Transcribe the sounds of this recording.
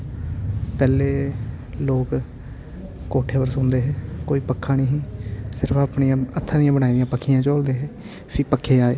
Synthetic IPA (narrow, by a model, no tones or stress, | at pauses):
pɛːleːloːk | koːʈʰeːpəɾsʊ̃nd̪eːɦɛːkoːiːpəkʰːãːnĩːɦĩːsɪɾəpaːpɳiːãːət̪ʰːãːd̪ɪjãːbənaːiːd̪ijãːpəkʰːijãːt͡ʃoːld̪eːɦɛː | pʰɪːpəkʰːeːaːeː